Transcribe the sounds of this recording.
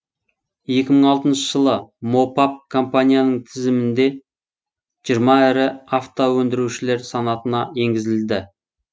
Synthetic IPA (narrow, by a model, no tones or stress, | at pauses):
je̞kʲɪməɴɑlˠt̪ənʃə̥ʒ̥əlˠəmo̞pap̚kʰo̞mpanʲijanəɴt̪ʰɪzɪmɪnd̪e̞ | ʒ̥ijəɾmɑɪɾɪaft̪owɵnd̪ɪɾuʃɪle̞ɾsɑnɑt̪ənɑje̞ŋɡʲɪzɪld̪ɪ